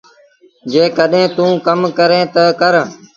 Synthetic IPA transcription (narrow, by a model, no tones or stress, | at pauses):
d͡ʒeːkəɗɦẽːt̪ũːkəmkəɾẽːt̪əkəɾ